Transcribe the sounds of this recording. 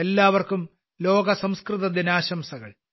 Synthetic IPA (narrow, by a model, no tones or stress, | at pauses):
elːaːʋɐrkum | lo̞ːɡɐsɐmskrɨðɐd̪inaːɕɐmsɐɣɐ̰ɭ